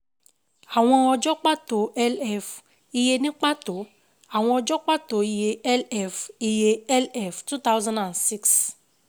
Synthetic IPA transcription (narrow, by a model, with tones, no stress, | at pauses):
a˨w̃ɔ̃˧ɔ˧d͡ʒɔ˦k͡pa˦to˨˦ɛ˦lɛ˦˨f | i˧je˧nĩ˦k͡pa˦to˨˦ | a˦˨w̃ɔ̃˧ɔ˧d͡ʒɔ˦k͡pa˦to˨˦i˧je˧ɛ˦lɛ˦˨fi˧je˧ɛ˦lɛ˦˨ftu˦t̪a˦wzã˦ndã˨nsi˦ks